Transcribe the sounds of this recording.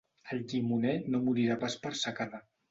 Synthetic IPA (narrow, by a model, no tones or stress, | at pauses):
əlʎimunɛnomuɾiɾapaspəɾsakaða